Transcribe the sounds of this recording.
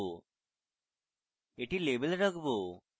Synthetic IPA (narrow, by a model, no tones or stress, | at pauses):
eʈiːlebəlɾəɡbo